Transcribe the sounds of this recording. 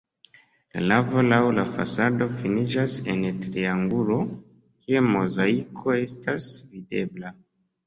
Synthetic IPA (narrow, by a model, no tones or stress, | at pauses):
la̰navo̞lawlafa̰sado̞finid͡ʒase̞ntɾiaŋɡulo̞ | kʰiemo̞zaikʰo̞e̞stasvide̞bla